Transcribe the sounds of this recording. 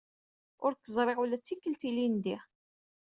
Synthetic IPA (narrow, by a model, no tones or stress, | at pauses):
ʊɾkːəzˤɾˤɪʁulæt͡sːikːəlt̪ilind̪iʁ